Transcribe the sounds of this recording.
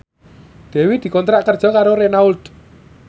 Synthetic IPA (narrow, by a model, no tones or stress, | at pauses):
d̪̥ɛ̤wid̪̥i̤kɔnt̪ɾaʔkərd̥ʒ̥ɔ̤kaɾoɾenauld̪